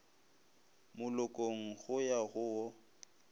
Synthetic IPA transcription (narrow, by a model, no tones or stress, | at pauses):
mʊlʊkʼoŋ̩ɣʊjaɣʊwɔ